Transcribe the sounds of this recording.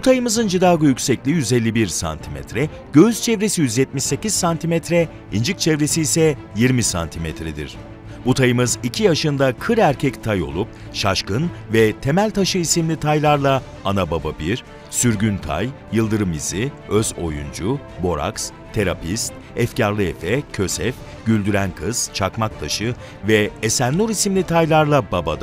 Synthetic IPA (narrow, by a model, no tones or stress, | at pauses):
but̪ʰajɯmɯzɯnd͡ʒid̪aːɡujycsɛclʲijyze̞lʲːibiɾsa̰nt̪ʰimɛ̰t̪ɾɛ | ɟ̥øyz̥t͡ʃʰɛvɾesijyzjɛt̪̚miʃse̞cizsant̪ʰimɛt̪ɾɛ | ind͡ʒɯk̚t͡ʃʰɛvɾe̞siːsɛjiɾmisa̰nt̪ʰimɛt̪ʰɾɛd̪ḭɾ̥ | but̪ʰajɯmɯzicʰijaʃɯnd̪akʰɯɾæɾcʰɛct̪ʰajo̞̰lˠup̚ | ʃaʃkɯnvɛt̪ʰe̞mælʲt̪ʰaʃɯisimlʲit̪ʰajlˠaɾlˠa | anabababiɾ̥ | syɾɟynt̪ʰa̰jːɯlˠd̪ɯɾɯmiziøzo̞̰jund͡ʒu | bo̞ɾa̰ks | t̪ʰe̞ɾapʰist̪̚ | ɛfcaɾlˠɯe̞̰fɛcʰø̞sɛf | ɟ̥ylʲd̪yɾænkʰɯz̥t͡ʃʰakmak̚t̪ʰaʃɯ | vɛesænlˠuɾisimlʲit̪ʰajlˠaɾlˠababad̪a